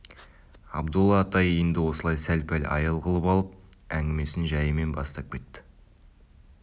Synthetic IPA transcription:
ɑ̰bd̪ulˠːɑːt̪ɑjijənd̪ɪwo̞səlˠɑjsælpælʲɑ̰jəlˠʁəlˠəpɑlˠəp̚æŋɡʲɪme̞sɪnʒæjəme̞nbɑst̪ɑp̚kʲe̞t̪ːɪ̥

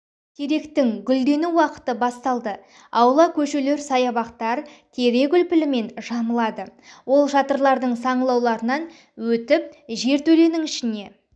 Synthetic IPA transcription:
t̪ʲʰe̞ɾe̞kt̪ɪŋɡʲʏld̪e̞nɪwɑqə̥t̪əbɑst̪ɑlˠd̪ə | ɑwlˠɑkʲʰɵʃe̞le̞ɾsɑjɑbɑqt̪ɑɾt̪ʰe̞ɾe̞ɡʲʏlpɪlɪme̞nʒɑməlˠɑd̪əwo̞lˠʃɑt̪əɾlˠɑɾd̪əɴsɑɴəlˠɑwlˠɑɾənɑn | wɵt̪ɪp̚ʒe̞ɾt̪ʰɵle̞nɪŋɪʃɪne̞

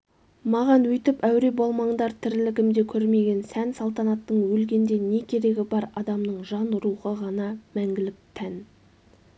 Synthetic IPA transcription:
mɑʁɑnwɵjt̪ɪpæwɾe̞bo̞lˠmɑɴd̪ɑɾt̪ʰɪɾlɪkʲɪmd̪e̞kʲʰɵɾme̞ɡʲe̞nsænsɑlˠt̪ɑnɑt̪ːəɴwɵlɡʲe̞nd̪e̞ne̞kʲʰe̞ɾe̞ɡʲɪbɑɾɑd̪ɑmnəɴʒɑnɾuʁəʁɑnɑmæŋɡʲɪlɪp̚t̪ʰæn

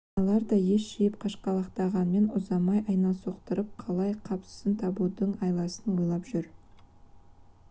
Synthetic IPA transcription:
ɑlˠɑɾd̪ɑje̞ʃʃejɪp̚qʰɑʃqɑlˠɑqt̪ɑʁɑnme̞nʊzɑmɑjʔɑjnɑnso̞qt̪əɾəp̚qʰɑlˠɑjqʰɑpsə̥sənt̪ʰɑbud̪əɴɑjlˠɑsənwojlˠɑpʒ̥ʏɾ

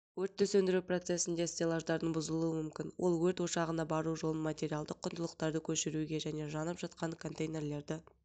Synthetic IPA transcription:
wɵɾt̪ːʏsɵnd̪ɪɾupro̞t̪se̞sɪnd̪e̞st̪elˠaʒd̪ɑɾd̪əɴbʊzəlˠuəmʏmkʲɪnwʔo̞̰lˠwɵɾt̪wo̞ʃɑʁənɑbɑɾuʒo̞lˠənmat̪ʲe̞ɾijɑlˠd̪əqʰːʊnd̪əlˠəqt̪ɑɾd̪əkʲʰɵʃɪɾuɡʲe̞ʒæne̞ʒɑnəpʒɑt̪qʰɑnkʰo̞nt̪ejne̞rle̞ɾd̪ɪ

